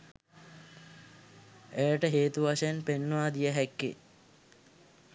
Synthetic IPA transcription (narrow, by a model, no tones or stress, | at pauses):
ejəʈəɦeːt̪uʋaʂəjənpenːəʋaːd̪ijəɦɛkːḛ